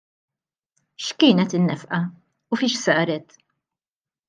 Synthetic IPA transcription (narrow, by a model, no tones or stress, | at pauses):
ʃkɪːnɛt̪ɪnːɛfʔɐ | ʊfɪʃsɐːɾɛt̪